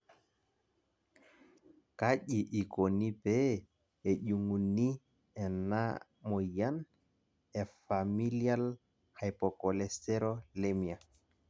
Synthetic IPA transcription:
kaʄiʔikonibɛ | ɛʄuŋunːi | ɛna | mɔjan | ɛfamilial | hajpɔkɔlɛstɛɾɔlemia

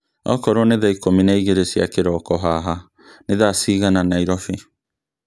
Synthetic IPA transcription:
ɔ̰kɔɾoneðajkominajɣeɾesiakeɾɔkɔɦaːɦa | neðasiɣananaiɾɔfi

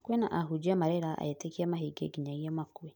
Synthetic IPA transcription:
kwɛnaʔaɦud͡ʒamaɾɛɾaʔa̰etekiamaɦiɡḛɡiɲaɣiɔmakwɛ

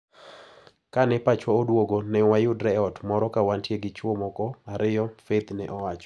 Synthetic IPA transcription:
kanɛpat͡ʃwɔodwoɡonɛwajʊdɾɛɔtmɔɾɔkawantjeɡɪt͡ʃwomɔkɔaɾɪjɔfet̪nɛʔɔwat͡ʃɔ̥

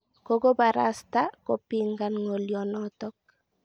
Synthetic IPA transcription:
koɡobaɾast̪akopiŋɡanŋoljɔnɔt̪ɔk̚

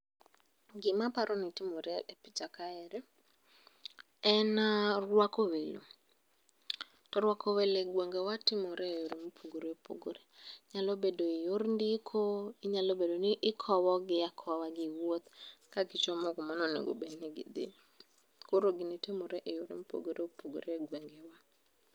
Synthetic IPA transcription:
ɡɪmapaɾɔnitɪmoɾɛɛpɪt͡ʃakaɛɾɛ | ɛnarwakowelo̰ | tɔɾwakʰɔweleɡwoŋɡɛwatɪmoɾejoɾemupʰuɡoɾoepo̰ɡoɾeɲalobedoijoɾndikʰoiɲalobedonɪʔɪkʰɔwɔɡɪjakʰɔwaɡɪwwot̪kakit͡ʃɔmɔkɔmanɔnḛɡo̰benɛɡɪ̰d̪ɪ̰ | koɾoɡɪnitemoɾɛʔejoɾḛmupo̰ɡoɾeopoɡo̰ɾeɡweŋɡɛwa

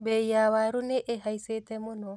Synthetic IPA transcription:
bejaβaɾuneʔeɦaiset̪ɛmunɔ

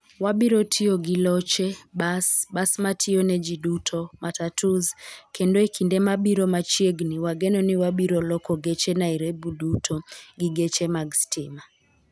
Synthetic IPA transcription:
waɓiɾɔtʰiɔɡilɔt͡ʃɛɓasbasmatʰiɔnɛd͡ʒidutʰɔmatatuzkʰɛndɔɛkʰindɛmaɓiɾɔmat͡ʃieɡniwaɡɛnɔniwaɓiɾɔlɔkɔɡɛt͡ʃɛnaiɾebudutʰɔɡiɡet͡ʃɛmaɡstʰɪma

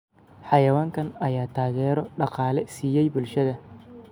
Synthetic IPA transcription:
ħɑjɐwaːŋkʰɐnɐjaːt̪ʰaːɣɛːɾɔɖɑqɑːlɛsiːjɛjbʊlʃɐðɐ

